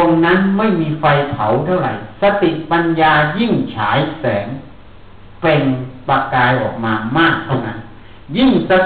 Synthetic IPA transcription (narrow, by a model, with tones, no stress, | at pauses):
o˧nːa˦˥nma˥˩jmiː˧fa˧jpʰa˩˦wt̪ʰa˥˩wɾa˨˩jsa˧t̪i˨˩ʔ̚pa˧njaː˧ji˥˩ŋt͡ɕʰaː˩˦jsɛː˩˦ŋ | pe˧ŋpa˧kaː˧jʔɔ̰ː˨˩k̚maː˧maː˥˩k̚t̪ʰa˥˩wna˦˥n | ji˥˩ŋsa˧